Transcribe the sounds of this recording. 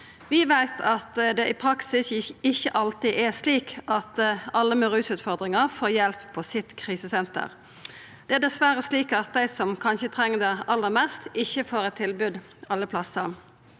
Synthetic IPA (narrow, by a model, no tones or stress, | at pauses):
ʋɪʋæɪt̪ʰɑt̪d̪ɛʔɪpʰɾɑksɪsɪçːəʔɑlt̪ɪʔɛsliːkʔɑt̪ɑlːəmʉʁʉːsʉːt̪fɔʁd̪ʁɪŋəʁfoːjɛlpʰːɔsɪt̪kʰʁiːsəsɛnt̪ə̰ʁ | d̪̥ɛæd̪ɛsʋæɾəsliːkɑt̪̚d̪æɪsɔmkʰɑnçət̪ʰʁɛŋːəd̪ɛɑlːəʁmɛst̪ɪçːəfoːɾɛt̪ʰːɪlbʉd̪ | ɑlːəpʰlɑsəɾ